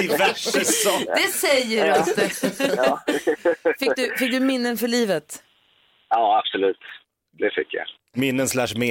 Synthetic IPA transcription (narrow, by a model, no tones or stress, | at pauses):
ɪvæʂəsɔd̪ɛsɛjːəɾat̪ː | fɪkkd̪ɵfɪk̚d̪ɵmɪnːənfœɭiːvət̪ | ɑːab̥sɔlʉ̟ːt̪ | d̪ɛfɪ̰kːja̰ | mɪnːənslæʂmeː